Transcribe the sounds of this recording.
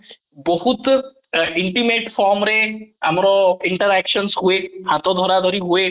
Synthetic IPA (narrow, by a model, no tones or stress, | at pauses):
bohut̪ | iɳʈimeʈfʰɔɾmɾea̰mɾɔiɳʈaɾɛkʃɔnsɦoehãt̪ɔd̪ʱɔɾad̪ʱoɾiɦoe